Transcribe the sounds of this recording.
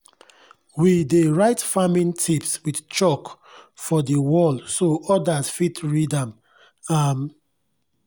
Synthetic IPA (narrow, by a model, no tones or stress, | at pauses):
wideɹaɪtfamĩntʰipswid̥t͡ʃɔk | fɔdəwɔlsoɔdasfitʰɹidãm | am